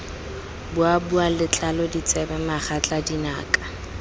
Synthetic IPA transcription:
bʊabualɪt͡ɬʼalɔdit͡sʼɛbɛmaχat͡ɬʼadina̰ːkʼḁ

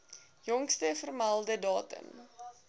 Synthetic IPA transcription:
jɔŋkstəfərmalˠdədɑːtə̰m

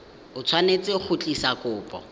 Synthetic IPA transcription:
ʊt͡sʰwanet͡sʼɪk͡xʰʊt͡ɬʼisakʊːpʼɔ̰

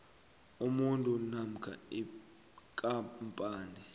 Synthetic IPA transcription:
umuntʼunam̩kʰa̰i | kʼampʼaːni

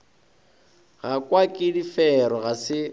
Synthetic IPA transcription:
ɣakʼwakʼɪdifɛɾɔɣasɪ

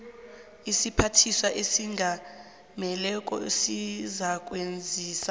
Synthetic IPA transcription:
isipʰatʰiswaʔesiŋɡʱa | mɛlɛkʼɔ̰esizak̬ʼwend͡zʱiːsa

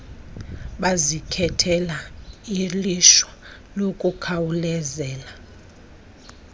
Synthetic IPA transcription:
ɓazikʰɛtʰɛlailiʃwa | lokʼukʰawulɛzɛːla

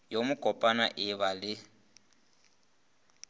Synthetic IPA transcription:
jomʊɡʼʱɔpʼanaʔɪβalɪ

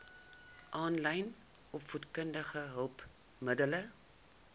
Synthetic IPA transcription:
ʔɑːnlɛjn | ɔpfutkəndəχəɦəlˠp | mədələ

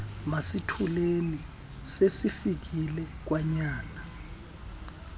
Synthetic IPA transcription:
masitʰuleni | sesifik̬ilɛk̬ʼwaɲaːna

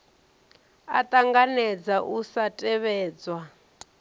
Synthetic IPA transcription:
a̰t̪ʼaŋɡanɛd͡zaʔusatʼɛβɛːd͡zwa

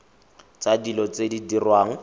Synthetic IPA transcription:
t͡sadilɔt͡sedidirwaːŋ̩

